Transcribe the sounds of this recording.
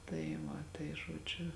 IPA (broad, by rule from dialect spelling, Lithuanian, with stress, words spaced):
tɐɪ ˈʋɐ tɐɪ ʒoːˈd͡ʒʲʊ